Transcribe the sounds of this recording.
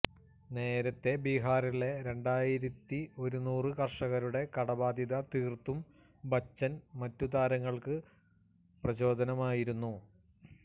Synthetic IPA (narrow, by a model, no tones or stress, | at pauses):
ne̞ːɾɐt̪ːe̞biɦaːriɭe̞ɾe̞ɳɖaːjiɾɐt̪ːio̞ɾunuːrɨkɐrʂɐɣɐɾuɽe̞kɐɽɐbaːd̪iðɐt̪iːrt̪ːum | bɐt͡ɕːɐnmɐtːud̪aːɾɐŋːɐɭkɨ | prɐɕo̞ːd̪ʱɐnɐmaːjiɾunːu